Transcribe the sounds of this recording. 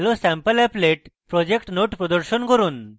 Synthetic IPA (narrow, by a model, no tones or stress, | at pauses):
lɔsɛ̃mpəlɛpleʈpɾɔd͡ʑekʈnoʈpɾɔd̪əɾɕənkəɾuːn